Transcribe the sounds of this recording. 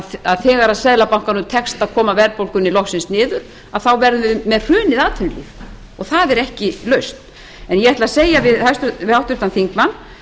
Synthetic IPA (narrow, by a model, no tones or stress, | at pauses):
aðθɛːɣaɾaðsɛðlapawŋ̥kanʏmt̪ʰɛkst̪aðkʰɔːmavɛɾpowlkʏnilɔxsɪnsnɪːðʏɾ̥ | aðθawvɛɾðʏvɪmɛðr̥ʏːnɪðaːt̪ʰʏnlḭːf | ɔɣθaðɛɾɛhcɪlœɥst̪n̥ | ɛnjɛaht̪laseːjavɪðhajst̪vɪhawht̪ʏht̪anθiŋkmanː